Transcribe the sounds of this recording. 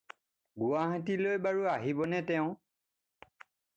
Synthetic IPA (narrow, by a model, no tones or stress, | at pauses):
ɡuwaɦãtilojbaɹuaɦibɔnɛtɛʊ̃